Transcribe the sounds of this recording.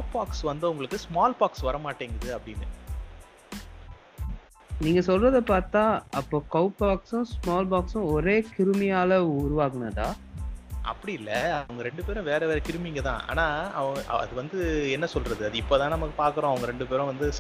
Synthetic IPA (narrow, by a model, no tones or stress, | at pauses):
kɐbaːksʋɐnd̪ɐʊŋɡɐɭɯkːɯsmaːlbaːksʋɐɾɐmaːʈːeːŋɡɐðɯɐpːɐɽɪnːɐ | niːŋɡɐsɔlrɐðɐpaːɾt̪ãːɐpːoːkɐʊbaːksʊ̃smaːlbaːksʊ̃ɔɾeːkɪɾɯmɪjaːlɐʊɾʊʋaːɣɐɳɐt̪aːʔɐ̰pːɐɽɪjɪlːɐɐɐŋɡɐɾɛɳɖɯp̬eːɾʊ̃ʋeːɾɐʋeːɾɐkɪɾɯmɪŋɡɐt̪ã̰ːʔa̰ːnaːɐʋɐŋɡɐɐ̰ðɯʋɐnd̪ɯɛnːɐsɔlɾɐðɯɐðɯɪpːoːt̪ãːnɐmɐkːɯpaːɾkɐɾõːɐʋɐŋɡɐɾɛɳɖɯp̬eːɾʊ̃ʋɐnd̪ɯ